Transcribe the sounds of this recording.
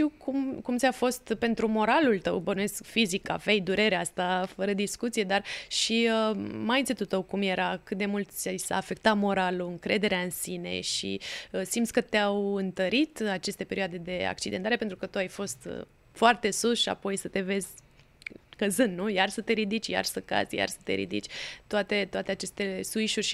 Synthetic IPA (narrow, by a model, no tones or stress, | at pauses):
t̪iwkumkumt̪sʲafo̞st̪pe̞nt̪ɾumo̞ɾalult̪əwbənujeskfizika̰vejd̪uɾe̞ɾeast̪afəɾəd̪iskut̪sije̞d̪arʃiəmajint̪sit̪ut̪əwkumje̞ɾakɨt̪̚d̪e̞mult̪sʲajsa̰ːfe̞k̚t̪amo̞ɾaluɨŋkɾe̞d̪e̞ɾeaɨnsine̞̰ʃḭsimt̪sʲkət̪eawɨnt̪əɾit̪at͡ʃe̞st̪e̞pe̞ɾioad̪e̞d̪e̞a̰k̚t͡ʃid̪ent̪aɾepe̞nt̪ɾukət̪uajfo̞st̪ | foart̪e̞susʃia̰po̞jsət̪e̞ve̞zʲ | kəzɨnnujarsət̪e̞ɾid̪it͡ʃʲja̰rsəka̰z̥ʲja̰rsə̥t̪e̞̰ɾḭd̪ḭt͡ʃʲt̪oat̪e̞t̪owat̪e̞at͡ʃe̞st̪e̞suiʃurʲʃ